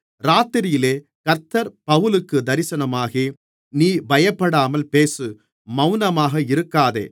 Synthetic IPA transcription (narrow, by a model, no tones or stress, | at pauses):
ɾaːt̪ːɪɾɪjɪleː | kɐɾt̪ːɐɾpɐʋɯlɯkːɯd̪ɐɾɪsɐnɐmaːɣeː | niːbɐjɐpːɐɽaːmɐlpeːsɯ | mɐʊnɐmaːɣɐɪɾɯkːaːðḛː